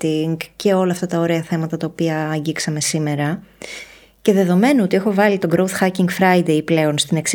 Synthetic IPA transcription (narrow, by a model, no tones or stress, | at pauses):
t̪iŋɡce̞o̞lɐːft̪ɐt̪ɐo̞ɾeɐθe̞mɐt̪ɐt̪ɐopiɐːɲɟiksɐme̞sime̞ɾɐ | ce̞ðe̞ðo̞me̞noo̞t̪ie̞xo̞vɐlit̪o̞ɡɾowθxɐciŋɡfɾɐjd̪e̞iple̞o̞nst̪ine̞ks